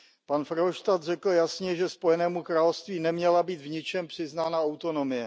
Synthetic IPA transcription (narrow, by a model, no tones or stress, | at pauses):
panfɾɦoʃt̪at̪rɛkl̩jasɲɛʒɛspo̞jɛnɛːmukɾaːlofst̪viːnɛmɲɛlabiːd̪vɲɪt͡ʃɛmpr̝̥ɪznaːnaawt̪o̞nomɪjɛ